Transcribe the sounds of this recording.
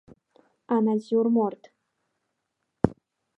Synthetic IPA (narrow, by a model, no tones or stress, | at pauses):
anaziwrmort̪ʰʼ